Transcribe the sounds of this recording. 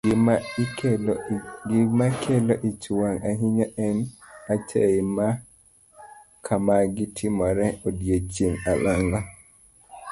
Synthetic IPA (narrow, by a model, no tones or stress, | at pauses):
ɡimakʰɛlɔʔit͡ʃuwanʔaɦiɲɔʔɛnat͡ʃʰɛima | kʰamaɡɪtʰimɔɾɛodjet͡ʃinalaŋɡɔ